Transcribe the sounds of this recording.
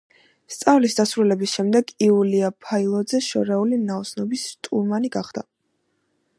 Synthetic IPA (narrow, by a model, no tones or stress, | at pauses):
st̪sʼavlisd̪asɾulɛbisʃɛmd̪ɛɡiuliapʰailˠɔd̪zɛʃɔ̰ɾɛulinaɔsnɔbisɾt̪ʼuɾmaniɡaχd̪̥a